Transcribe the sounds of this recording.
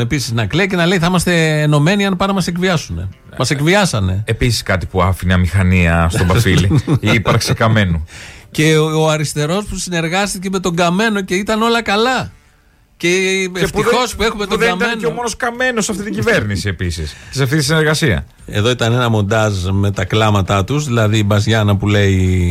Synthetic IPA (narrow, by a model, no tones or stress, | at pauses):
episiznɐkliɐce̞nɐle̞jθɐimɐst̪e̞ːno̞me̞niɐnpɐnɐmɐse̞kviɐsune̞̰ | mɐse̞kviɐsɐne̞episiskɐt̪ipuɐfineɐmixɐniɐsobɐfiliipɐɾksekɐme̞nuce̞oɐɾist̪e̞ɾo̞spusine̞ɾɣɐst̪iceme̞t̪o̞ɡɐme̞no̞ce̞it̪ɐno̞lɐkɐlɐ | ce̞ft̪ixo̞spue̞xume̞t̪ðɡniɐmt̪ɐeneomonoskɐme̞nosɐft̪it̪iɲɟive̞ɾnisie̞pisiscesɐft̪it̪isineɾɣɐsiɐ̰ | e̞ðo̞it̪ɐne̞nɐmo̞nd̪ɐzme̞t̪ɐklɐmɐt̪ɐt̪uzðilɐðibɐzʝɐnɐpule̞i